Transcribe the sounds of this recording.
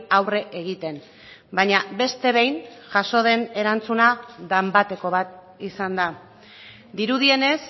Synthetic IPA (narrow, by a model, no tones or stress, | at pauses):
awre̞ʔeɣ̞it̪e̞n | bajɲabe̞st̪e̞βe̞jnʝaʃo̞ð̞e̞ne̞ɾant͡sunaðambat̪e̞ko̞βat̪̚ | isand̪a | d̪iɾuð̞ie̞ne̞s